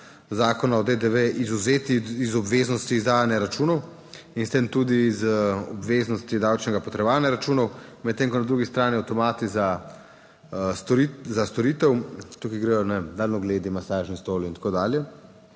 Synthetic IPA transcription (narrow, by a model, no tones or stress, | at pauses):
zaːkɔnaɔd̪ed̪eʋeʔizuzeːt̪iːzɔbʋeːznɔst̪iːzd̪aːjanjaɾat͡ʃuːnɔw | inst̪eːmt̪ud̪izɔbʋeːznɔst̪id̪aːwt͡ʃnɛɡapɔt̪ɾɛbaːnjaɾat͡ʃuːnɔwmɛt̪ːeːŋkɔnad̪ɾuːɡist̪ɾaːniawt̪ɔmaːt̪iza | izast̪ɔɾiːt̪ɛwt̪ukiɡɾɛjɔnɛemd̪aːlnɔɡleːd̪imasaːʒnist̪oːlint̪ḁkoːd̪aːljɛ